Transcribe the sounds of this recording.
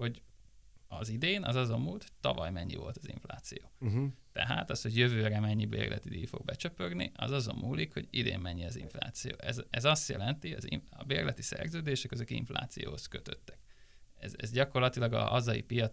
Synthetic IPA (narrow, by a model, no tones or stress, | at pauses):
ho̞ɟ | ɒzid̪eːnʔɒzɒzɒmːuːlt̪t̪ːɒvɒjmɛɲːivo̞̰lt̪ɒzḭɱflaːt̪sijoːt̪ɛɦaːt̪ɒsho̞ɟjøvøːɾɛmɛɲːibḛːrlʔɛ̰t̪id̪iːjfo̞ɡ̚bɛt͡ʃøpørniʔɒzɒzomːʔuːlikho̞ɟid̪ḛːmːɛɲːiɛziɱfla̰ːt̪sijoːʔɛzɛzɒst̪jɛlɛnt̪iɒziɒbeːrlɛt̪isɛ̰rzøːd̪eːʃɛkøzøkḭɱfla̰ːt̪sijoːhoskø̞t̪ø̞t̪ːɛ̥kɛzɛzɟɒko̞rlɒt̪ilɒɡɒɒzɒjipijɒ